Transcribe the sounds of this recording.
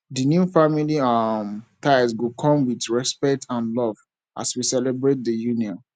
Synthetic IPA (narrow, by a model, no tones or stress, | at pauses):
dinjufamiliɔmtʰaɪzwukʰɔ̃mwitɹɛspɛk̚tʰãnlɔv | ʔa̰swisɛlɛbɹet̚dəjuniɔ̃n